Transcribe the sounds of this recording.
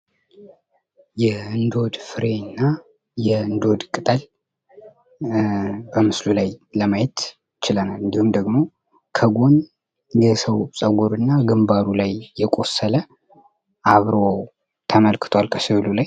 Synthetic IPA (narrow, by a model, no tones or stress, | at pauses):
jɛɨnd̪o̞d̪fɨɾenːa | jɛɨnd̪o̞d̪kʼɨt̪ʼəl | bəmɨslulajləmajɛt̪ | jɪt͡ʃɪlənalɨnd̪ihumd̪əɡmo̞ | kʰəɡo̞n | jɛsəwsʼəɡʷuɾɨnːaɡɨmbaɾulajːɛkʷʼo̞sːələ | ʔaβɾo̞ | t̪ʰəməlkʰɨ̥t̪ʰwalkʰəsiβlulaj